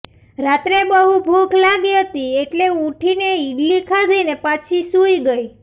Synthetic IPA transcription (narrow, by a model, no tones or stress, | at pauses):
ɾat̪ɾebəɦubʱukʰlaɡiɦət̪ieʈleuʈʰineiɖlikʰad̪ʱəinepat͡ʃʰisuiɡəj